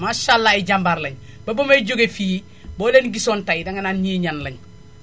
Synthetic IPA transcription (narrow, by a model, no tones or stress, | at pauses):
maʃalːaiɟambaɾlɐɲ | babomeɟoɡefi | bolenɡisoːntajidaŋanaːnɲiɲanlaɲ